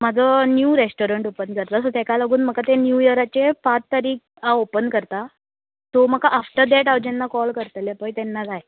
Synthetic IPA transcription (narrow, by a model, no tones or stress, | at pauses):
mad͡zʱɔnjuɾesʈoɾəɳʈopənkəɾt̪asɔt̪ekalaɡuːnməkat̪enjujəɾat͡ɕepat͡st̪aɾiːk | aopənkəɾt̪a | t̪om̤əkaʔːfʈəɾd̪ɛʈaʋd͡ʑɛnːakɔlkəɾt̪əljapəjt̪ɛnːad͡zaje